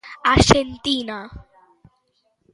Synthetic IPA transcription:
aɕent̪ina

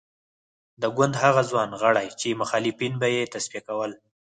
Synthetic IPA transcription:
d̪əɡwand̪haɣazwɑnɣəɽajt͡ʃemʊxɑlɪfinbajet̪aspijakawəl

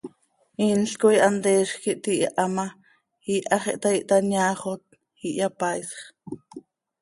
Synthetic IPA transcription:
iːnɬkojʔand̪eːʃkiʔt̪iʔʔama | hiʔaχeʔt̪aiʔt̪anjaːχot̪̚ | hiʔjapajsχ

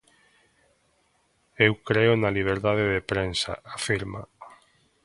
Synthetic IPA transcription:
ewkɾeʊnaliβ̞eɾðaðeðepɾensa̰ʔafiɾma

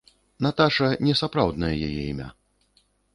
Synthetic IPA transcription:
nat̪aʂɐnʲɛsapɾawd̪nɐjɐja̰jɛ̰imʲa̰

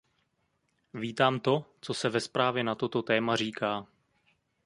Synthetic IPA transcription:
viːt̪aːmt̪o̞t͡so̞sɛvɛspɾaːvjɛnat̪ot̪o̞t̪ɛːmar̝iːkʰaː

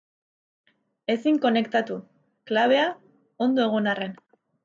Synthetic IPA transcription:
e̞siŋko̞ne̞kt̪at̪u | klaβ̞e̞a | o̞nd̪oe̞ɣonare̞n

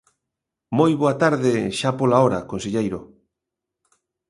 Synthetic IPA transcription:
mojβoat̪aɾðɪʃapolaoɾakonseʎejɾo

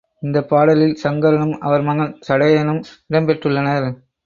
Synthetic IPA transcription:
ɪnd̪ɐpːaːɽɐlɪlsɐŋɡɐɾɐɳɯmɐ̰ʋɐɾmɐŋɐɭsɐɽɐjɐnɯmɪɽɐmpɛʈrɯlːɐnɐɾ

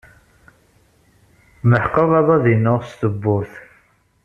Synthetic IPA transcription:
məħqːəðˤɑðˤɑðinːʊʁst̪əbːʊɾθ

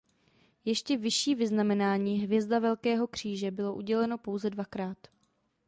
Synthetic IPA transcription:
jɛʃcɛvɪʃiːvɪznamɛnaːɲiːɦvjɛzdavɛlkɛːɦo̞kr̝̥iːʒɛbɪlo̞ʔuɟɛlɛno̞po̞wzɛdvakɾaːt̪

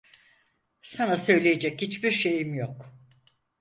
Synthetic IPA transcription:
sanasø̞jlʲejed͡ʒɛchit͡ʃbiɾʃe̞jimjok

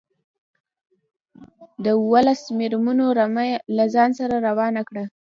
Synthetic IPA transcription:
d̪əuwəlasmeɾmunoɾmlazɑnsaɾaɾawɑnakɽa

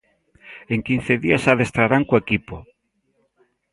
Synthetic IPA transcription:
eŋkin̟θeðiasaðest̪ɾaɾaŋkoekipo

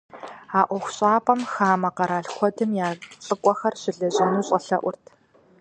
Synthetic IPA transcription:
aːʔʷɔxʷɕʼaːpʼɐmxaːmɐqɐɾaːɬxʷɔdɨmjaːt͡sʼɨkʷʼɔxɐrɕɪɮɐʑɪnuːɕʼɐɬɐʔʷʊrtʰ

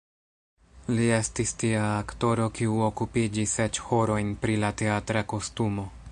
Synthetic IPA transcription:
lie̞stistiaːkto̞ɾo̞kiuokupid͡ʒise̞t͡ʃho̞ɾo̞jnpɾilate̞atɾako̞stumo̞

